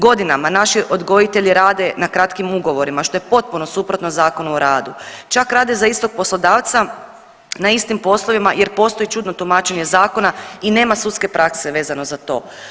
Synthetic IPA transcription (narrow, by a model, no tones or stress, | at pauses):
ɡo̞d̪inamanaʃiʔo̞d̪ɡo̞jit̪e̞ʎiɾaːd̪e̞nakɾat̪kimuɡo̞ʋo̞ɾimaʃt̪o̞je̞po̞t̪̚punosupɾo̞t̪nozaːko̞nuoɾaːd̪ut͡ʃakɾaːd̪e̞zaist̪o̞ɡ̚po̞slˠod̪aːʋt̪sa | naist̪impo̞slˠo̞ʋimaje̞ɾpo̞ːst̪o̞it͡ʃud̪no̞t̪umat͡ʃe̞ɲe̞zaːko̞naine̞ːmasut̪ske̞pɾʔakse̞ʋe̞ːzano̞zat̪o̞̰ː